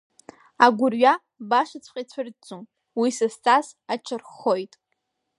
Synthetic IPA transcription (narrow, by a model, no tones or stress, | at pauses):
aɡʷʊrɥa | baʂat͡sʷʰqʼat͡sʷʰard͡zʼum | wisɨst͡sʰʼasat͡ʃʰɨrχojtʼ